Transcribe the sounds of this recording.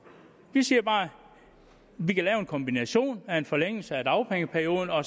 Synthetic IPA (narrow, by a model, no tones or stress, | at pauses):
ʋisiːɐb̥ɑ̈ː | ʋikʰælɛːʊe̝nkʰɒ̽mb̥inæɕo̝̰ːnæe̝nfɒ̽leŋ̰l̩səæd̥ɑ̈ʊpʰeŋəpʰæɐjo̝ːðˠn̩ɒ̽